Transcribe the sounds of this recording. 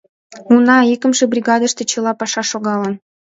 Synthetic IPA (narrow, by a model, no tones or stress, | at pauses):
unɑikəmʒĕbrʲiɣɑd̪ə̆ʃt̪ĕt͡ɕɤ̆lɑpɑʃɑʃoɣɑlən